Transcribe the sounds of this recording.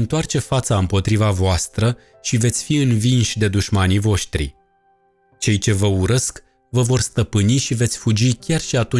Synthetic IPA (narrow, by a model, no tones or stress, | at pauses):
ɨnt̪oart͡ʃe̞fat̪saɨmpo̞t̪ɾivavoast̪ɾə | ʃive̞t̪sʲfiɨnvinʃʲd̪e̞d̪uʃmanivo̞ʃt̪ɾḭ | t͡ʃe̞jt͡ʃe̞vəuɾəsk | vəvo̞rst̪əpɨniʃive̞t̪sʲfud͡ʒikʲarʃiat̪u